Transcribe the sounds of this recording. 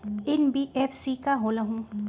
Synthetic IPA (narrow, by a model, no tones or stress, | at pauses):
ɪnbiʔeːfsikaɦoːlɐɦũː